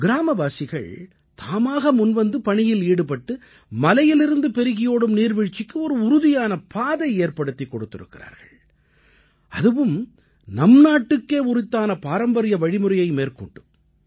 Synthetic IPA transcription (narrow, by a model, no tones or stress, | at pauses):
ɡɪɾaːmɐbaːsɪɣɐ̰ɭ | t̪ʰaːmaːɣɐmʊnʋɐnd̪ɯpɐɳɪjɪliːɽɯpɐʈːɯ | mɐlɐjɪlɪɾɯnd̪ɯpɛɾɯɣɪjoːɽɯmniːɾʋɪɻt͡ʃːɪkːɯɔɾɯʊɾʊðɪjaːnɐpʰaːðɐɪeːɾpɐɽɯt̪ːɪkːɔɽɯt̪ːɪɾɯ̰kːɪra̰ːɾɣɐ̰ɭ | ɐðɯʋɯm | nɐmnaːʈːɯkːeːʊɾɪt̪ːaːnɐpaːɾɐmbɐɾɪjɐʋɐɻɪmɯɾɐjɐɪmeːrkɔɳɖɯ